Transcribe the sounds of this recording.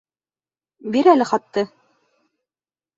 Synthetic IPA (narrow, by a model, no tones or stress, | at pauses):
biɾælɘχɑt̪ːɤ